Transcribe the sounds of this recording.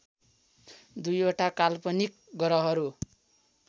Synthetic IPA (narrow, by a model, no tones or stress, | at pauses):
d̪ujoʈakalpʌnik̚ | ɡʌɾʌɦʌɾu